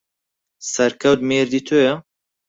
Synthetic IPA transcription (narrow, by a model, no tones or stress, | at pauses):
sɛɾkʰɐwt̪meːɾd̪iːt̪ʰojɛ